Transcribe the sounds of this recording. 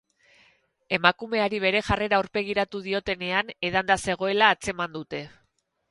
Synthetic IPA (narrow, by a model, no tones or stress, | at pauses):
e̞makume̞aɾiβ̞e̞ɾe̞ʝare̞ɾauɾpe̞ɣ̞iɾat̪uð̞io̞t̪e̞ne̞ane̞ðand̪ase̞ɣ̞o̞e̞laːt͡se̞mand̪ut̪e̞